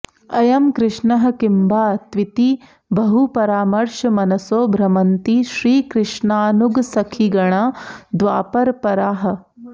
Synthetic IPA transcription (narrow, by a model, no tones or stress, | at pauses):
ɐjɐmkɾɪʂɳɐɦɐ̆kimbʱaːt̪ʋit̪i | bɐɦupɐɾaːmɐɾʃɐmɐnɐsoːbʱɾɐmɐnt̪iʃɾiːkɾɪʂɳaːnuɡsɐkʰiɡɐɳaːd̪ʋaːpɐɾpɐɾaːɦɐ̆